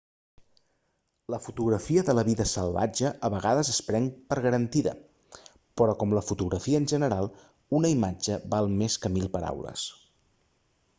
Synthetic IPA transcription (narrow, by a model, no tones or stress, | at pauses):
ləfut̪uɣɾəfiəðələβiðəsəlˠβa̰d͡ʒəʔːβəɣaðəzəspɾɛŋpəɾɣəɾənt̪iðə̰ | pɾɔkɔmləfut̪uɣɾəfiəːnʲʒənəɾalˠ | unəimad͡ʒəβalˠmeskəmilˠpəɾa̰wlə̰s